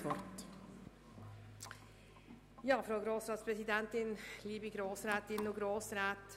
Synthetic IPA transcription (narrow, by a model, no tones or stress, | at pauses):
pɔɾt̪ | jɑːfɾoːɡɾoːsɾɑːt̪spʰɾɛsɪd̪ɛnt̪ɪnliːbɪɡɾoːsɾæːt̪ɪnɔɡɾoːsɾæt̪